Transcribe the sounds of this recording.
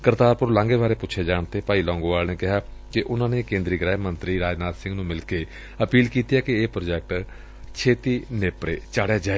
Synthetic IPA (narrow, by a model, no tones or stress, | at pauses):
kəɾt̪aːɾpʊɾlãːŋɡeːbaːɾeːpʊtːt͡ʃʰeːd͡ʒaːɳt̪eːpaːiːlɔ̃ːŋɡoːʋaːlneːkɪɦaːkɪʔʊnãːneːkẽːnd̪ɾiːɡɾɛːmənt̪ɾiːɾaːd͡ʒnaːt̪sɪ̃ŋɡnũːmɪlkeː | əpiːlkiːt̪ijaːkɪeːpɾoːd͡ʒɛːk̚ʈ | t͡ʃʰeːt̪iːneːpɾeːt͡ʃaːɽejaːd͡ʒaːe